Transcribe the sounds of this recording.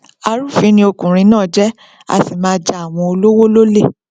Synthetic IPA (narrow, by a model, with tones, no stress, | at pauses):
a˧ɾu˦˨fĩ˨˦nĩ˧˦o˧kũ˨ɾ̃ĩ˧˦nãː˦˨d͡ʒɛ˦ | a̰˧˨ti˨mãː˦d͡ʒa˨a˨w̃ɔ̃˧o˧lo˦wo˦lo˦le˦˨